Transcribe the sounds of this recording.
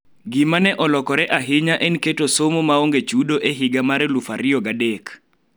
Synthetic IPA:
ɡɪmanɛʔɔlɔkɔɾɛʔaɦɪɲaʔɛnketosomomaoŋɡet͡ʃudoʔeɦɪɡamaɾlufaɾɪɔɡadek

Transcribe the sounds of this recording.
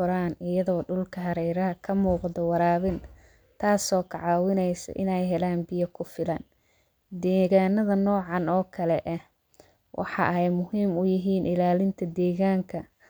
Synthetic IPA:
ʊɾaːnɪjɐðɔːɖʊlkʰɐɦɐɾɛjɾɐɦɐkʰɐmuːqd̪ɔwɑɾaːβɪn | t̪ʰaːsɔːkʰɑʕɑːwɪnɛjsɐ̰ʔɪ̰nɛjɦɛlaːnbɪjɐkʰʊfɪlɐn | d̪ɛːɣaːnɐðɐnɔːʕɑnɔːkʰɐlɛʔɛh | wʔɑ̰ħɑ̰ʔɛjmʊhiːmʊjɪɦiːnʔɪlaːlɪnt̪ʰɐd̪ɛːɣaːŋkʰɐ

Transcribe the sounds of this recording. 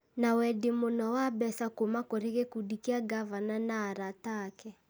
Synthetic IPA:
nawɛdemonɔwabɛsakomakoɾeɣekudikeaɡavananaːɾatakɛ

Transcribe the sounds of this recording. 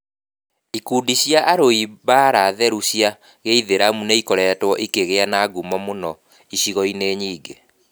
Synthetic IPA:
ikuːdiɕjaʔːɾoiβaːɾaðɛɾuɕja | ɣeiðeɾamuneikɔɾɛtwɔʔikeɣeanaɡumɔmonɔ | iɕiɣɔineːɲiːɡe

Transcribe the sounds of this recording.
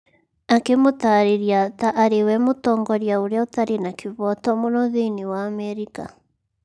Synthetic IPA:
akemotaɾeɾiataʔːɾewɛmotɔːŋɡɔɾjaoɾeaotaɾenakeβɔtɔmonɔðeniwaːmɛɾika̰

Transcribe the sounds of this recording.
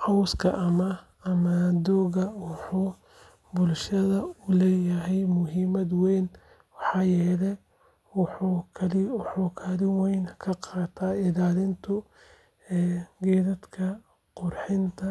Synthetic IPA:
ʔɑwskʰɐʔɐmɐ | ɐmad̪ɔːɣɐwɑħuː | bʊlʃɐðɐʊlɛːjɐɦɛjmʊɦiːmɐd̪wɛn | wɑħɑːjɛːlɛ | wħukʰɐlɪwħukʰalɪwɛjnkʰɐqɑːt̪ʰaɪlaːlɪnt̪ʰʊ | ɛːɡɛːðɐd̪kʰɐ | qʊrħɪnt̪ʰɐ

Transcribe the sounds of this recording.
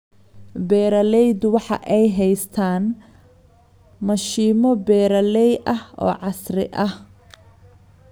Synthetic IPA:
bɛːɾɐlɛjd̪wɑħɑ̰ʔɛjɦɛjst̪ʰaːn | mɐʃiːmɔbɛːɾɐlɛjɐhɔ̰ːʕɑsrɪ̰ʔɐh

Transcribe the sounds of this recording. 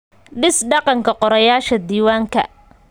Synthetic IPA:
ɖɪsɖɑqɑŋkʰɐqɔɾɐjaːʃɐd̪iːwaːŋkʰɐ̰

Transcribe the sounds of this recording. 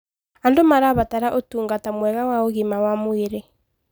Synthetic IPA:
andomaɾaβataɾaʔotuːŋɡatamwɛɣawaoɣimawamoeɾe

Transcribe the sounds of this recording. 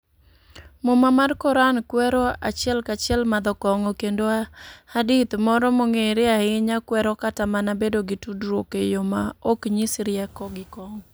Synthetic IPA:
momamarkɔɾankwɛɾɔa̰t͡ʃjɛlkat͡ʃɪɛlmad̪ɔkɔŋokendoahadit̪mɔɾɔmoŋeɾɪaɪɲakwɛɾɔkatamanabedoɡɪtudɾwokejomaokɲisɾɪakɔɡɪkɔŋ

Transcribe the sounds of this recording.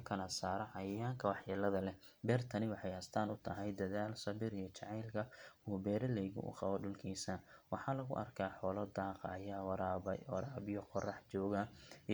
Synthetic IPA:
kʰɐlɐsaːɾɔʕɑjɐjaːŋkʰɐwɑħjɐlɐðɐlɛ | bɛːrt̪ʰɐnɪwɑħɑjɐst̪ʰaːnʊt̪ʰɐɦɛjd̪ɐðaːlsɐβɪɾijɞt͡ʃɑʕɑjlkʰɐuːbɛːɾɐlɛjɣʊ̰ʔʊ̰qɑwɔɖʊlkʰiːsɐwɑħɑːlɐɣʊ̰ʔɐ̰rkʰaːħɔːlɔd̪aːqɑ̰ɐjaːwɑɾaːɾaːbɪjɔqɔrɑħt͡ʃɔːɣɐ

